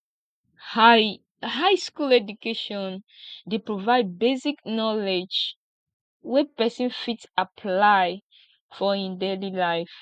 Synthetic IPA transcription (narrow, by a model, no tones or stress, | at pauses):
h | hajskulɛdukeʃɔ̃n | depɹovaɪd̚beziknɔled͡ʒ | wɛpɛsɔ̃nfitsapʰlaj | fɔĩndelilaɪf